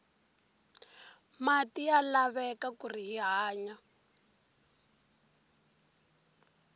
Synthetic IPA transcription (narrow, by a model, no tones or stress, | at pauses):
matijalaβɛkakuriɦiɦaːɲa